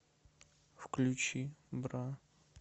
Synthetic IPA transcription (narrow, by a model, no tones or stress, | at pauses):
fklʲut͡ɕibɾa